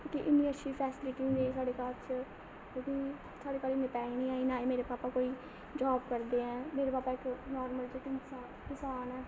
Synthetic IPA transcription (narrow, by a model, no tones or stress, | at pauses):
kiʔɪnːĩːətːʃʰiːpʰɛːsliːkiːɡeiːsaːɖeːkaːɾt͡ʃ | oːkĩː | saːɽeːkaːɾimɪt̪ɛːinĩːaːiːnaːeːmeːɾeːpaːpaːkoːiː | d͡ʒaːbkəɾd̪eːɛ̃ːmeːɾeːpaːpaːɪknɔːɾməlt͡ʃəkɪ | kɪsaːnɛː